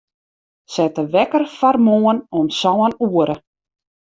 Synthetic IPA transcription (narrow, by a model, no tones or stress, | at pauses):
sɛtəʋɛkərfarmoənɔnsɔːənuəɾʔə